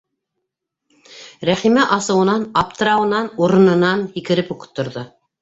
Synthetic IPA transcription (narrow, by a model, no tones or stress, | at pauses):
ɾæχimæʔɑsɤ̆wɤ̆nɑnɑp̚t̪ɤ̆ɾɑwɤ̆nɑnuɾɤ̆nɤ̆nɑnhikɘ̆ɾɘpŭkɤ̥̆t̪ːŏɾðo